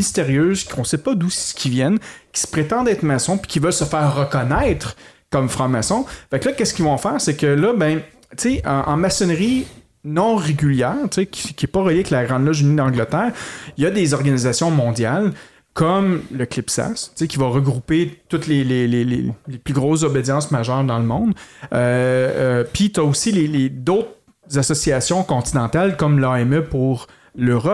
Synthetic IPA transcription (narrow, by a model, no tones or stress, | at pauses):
mist̪eʁjøːzkɔ̃sɛpʌd̪usə̥kʲivjɛnkʲi̥sə̥pχet̪ɑ̃d̪ɛt̪χmasɔ̃pi̥kʲivœlsəfɛːʁːəkɔnɛɪt̪χkɔmfχɑ̃masɔ̃fɛklʌkʲɛskʲilvɔ̃ɑ̃fɛːʁsekəlʌbɛ̃ | t͡seəʔɑ̰̃masɔnʁi | nɔ̃ʁeɡʲyljɛːʁt̪t͡sekʲʰi̥skʲiɛpʌʁəljiklaɡʁɑ̃d̪lɔʒynid̪ɑ̃ɡlət̪ɛːʁijad̪ezɔʁɡanizasjɔ̃mɔ̃d̪jal | kʰɔmləklɪpsa̰st͡sekʲivaʁəɡʁupet̪ʊt̪lelelelḛleplyɡʁoːszobed̪ʲjɑ̃smaʒœːʁd̪ɑ̃ləmɔ̃d̪ø | pit̪aosileled̪ot̪χ | zasɔsiasjɔ̃kɔ̃t̪inɑ̃t̪alkɔmlɑɛmœpuʁ | løʁɔp